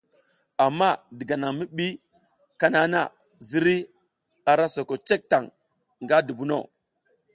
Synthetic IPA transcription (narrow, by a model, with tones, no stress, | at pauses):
a˨mːa˦di˨ɡa˨na˨ŋmi˦ɓi˦ | ka˦na˦na̰˦˨ | zi˦ɾi˦ | a˨ɾa˦so˨ko˨t͡ʃe˦k̚ta˨ŋ | ŋɡa˦du˨bu˦no̰˦˨